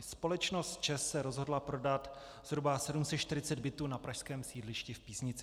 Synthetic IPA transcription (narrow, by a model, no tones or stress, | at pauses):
spo̞lɛt͡ʃnost̪̚t͡ʃɛsːɛɾozɦo̞dlapɾodat̪ | z̥ɦɾubasɛdumsɛtʃt̪ɪɾɪt͡sɛd̪bɪt̪uːnapɾaʃskɛːmsiːdlɪʃcɪfpiːsɲɪt͡sɪ